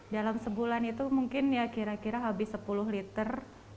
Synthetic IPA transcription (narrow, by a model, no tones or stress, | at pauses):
dalamsəbulanit̪umuŋkɪnjakiɾakiɾaɦabɪsəpulʊhlit̪ər